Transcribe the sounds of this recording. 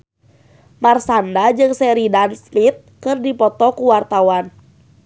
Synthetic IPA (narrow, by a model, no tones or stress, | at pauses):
marsandad͡ʒɨŋsɛɾidansmit̪̚kɨrdipɔt̪ɔkuwart̪awan